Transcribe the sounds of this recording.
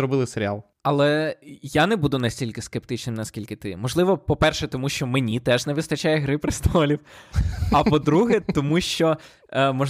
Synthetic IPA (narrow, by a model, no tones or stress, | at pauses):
ɾɔbɪlˠɪseɾʲɪa̰lˠ | ɐlˠɛjanɛbud̪ʊnɐsʲtʲilʲkɪskept̪ɪt͡ʃnɪmnɐskʲilʲkɪt̪ɪmɔʒlˠɪʋɔpɔpɛrʃɛt̪ɔmuʃt͡ʃɔmenʲit̪ɛʐnɛʋɪst̪ɐt͡ʃajɛɦɾɪpɾɪst̪ɔlʲiw | ɐpɔd̪ɾuɦɛt̪ɔmuʃt͡ʃɔ | mɔ